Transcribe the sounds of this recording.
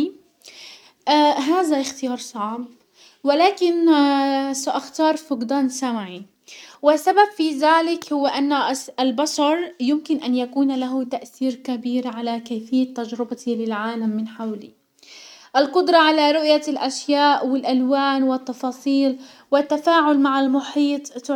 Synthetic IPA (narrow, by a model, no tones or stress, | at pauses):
ʔaːɦaːðaʔɪxt̪ɪjɑːɾˤsˤɑʕb | wɪlaːkɪn | saʔaxt̪ɑːɾˤfʊqd̪aːnsamaʕi | wɪsːababfiðaːlɪkhʊwːaʔanːaɪlbaʃɑɾˤjʊmkɪnʔanjakuːnlaɦʊt̪aʔθiːɾkabiːɾʕalakajfɪjːat̪ːad͡ʒɾɪbat̪ilɪlʕaːlamːɪnħawlḭ | ʔɪlqʊd̪ɾˤɑʕalaɾˤʊʔjalʔaʃjaːʔwɪlʔalwaːnwɪt̪ːɑfɑːsˤiːl | wɪt̪ːafaːʕʊlmaʕalmʊħiːt̪ˤ